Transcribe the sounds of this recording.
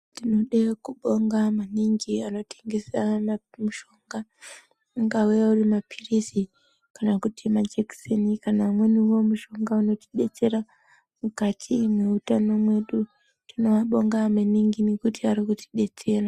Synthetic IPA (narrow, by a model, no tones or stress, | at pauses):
tinoɗekuɓoŋɡamaniŋɡianoteŋɡezanamuʃoŋɡa | ŋɡawejauɾimapʰiɾisi | kanakutʰimad͡ʒeksenikanamweniwomuʃoŋɡaunoti̥ɗet͡seɾa | mukatʰimweutanamweɗu | tinowaɓoŋɡamaniŋɡinikutiaɾikuti̥ɗet͡ʃeɾa